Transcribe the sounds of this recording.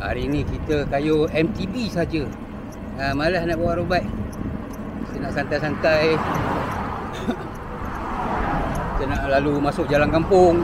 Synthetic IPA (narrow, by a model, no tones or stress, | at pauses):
a̰ɾinikit̪əkajoɛmt̪ibisad͡ʒə | amalahnaʔbawaʔɾubaiʔ | sənaʔsant̪ajsant̪aj | t̪ənaʔlalumasʊk̚d͡ʒalankampʊŋ